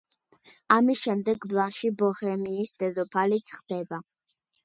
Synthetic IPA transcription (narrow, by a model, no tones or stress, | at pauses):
amisʃɛmd̪ɛɡblˠanʃibɔχɛmiːsd̪ɛzɔpʰalit̪sʰχd̪̥ɛba